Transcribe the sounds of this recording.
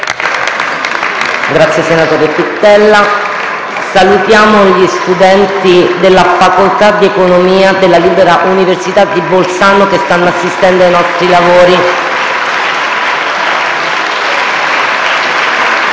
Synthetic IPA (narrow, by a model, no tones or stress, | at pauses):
ɡɾat̪sjesenat̪oːɾeepit̪ːɛlːa | salut̪jaːmoʎist̪ud̪ɛnt̪id̪elːafakolt̪ad̪iekonomiːad̪elːaliːbeɾaʔuniversit̪ad̪ːibolsanokest̪anːoasːist̪ɛnd̪oajnɔst̪ɾilavoːɾi